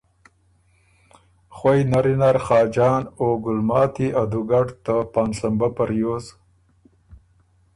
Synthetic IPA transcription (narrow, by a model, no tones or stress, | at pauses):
χwajnaɾinaɾχɑːd͡ʒɑːnoɡʊlmɑːt̪iʔad̪uɡaɖt̪əpɑːnsambapaɾjoz